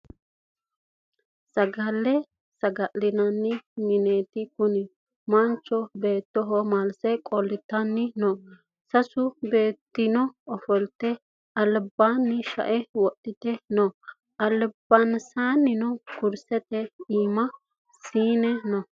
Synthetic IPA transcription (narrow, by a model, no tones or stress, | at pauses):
sɐɡɐlːɛ | sɐɡɐlːɪnɐnːɪmɪneːt̪ɪkʊnɪ | mɐnt͡ʃːɔbe̞ːt̪ːɔɦɔmɐlsɛkʼɔlːɪt̪ːɐnːɪnɔ | sɐsʊbe̞ːt̪ːɪnɔɔfɔlt̪ːɛ | ɐlbanːɪʃɐ̰ʔɛwɔtːɪt̪ɛnɔ | ɐlbɐnsanːɪnɔkʊɾsɛt̪ɛiːmɐ | siːnɛnɔ